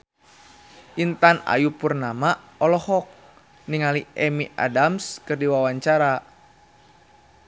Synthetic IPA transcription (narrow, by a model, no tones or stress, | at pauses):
ʔint̪ana̰jupurnama | ɔlɔhɔk̚ | niŋaliʔɛmiʔa̰damskɨrdiwawaɲt͡ʃaɾa